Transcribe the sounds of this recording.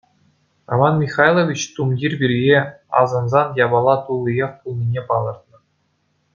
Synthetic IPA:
ro̰mɑnmʲiχɑjlˠovʲit͡ɕt̪umdʲirʲbʲirʲjeɑ̰zɤ̆nzɑnjɑbɑlˠɑt̪ulˠːijeχpulˠnʲinʲepɑlˠɤ̆rt̪nɤ̆

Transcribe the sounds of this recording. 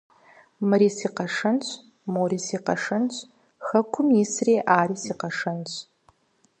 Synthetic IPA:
mɨɾiːsiːqɐʂɨnt͡ʃʷʰʼ | moɾisiːqɐ̰ʂɨnt͡ʃʷʼ | xɐkʷʰʊmisriːʔaːriːsiːqɐʂɨnt͡ʃʷʰʼ

